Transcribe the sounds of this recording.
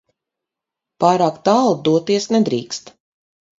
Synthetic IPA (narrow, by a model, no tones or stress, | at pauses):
paːɾaːkt̪aːlˠd̪uɔt̪iɛsnɛd̪ɾiːkst̪